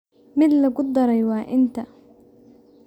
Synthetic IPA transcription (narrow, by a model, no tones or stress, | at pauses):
mɪd̪lɐɡʊd̪ɐɾɐjwɑːʔɪnt̪ʰɐ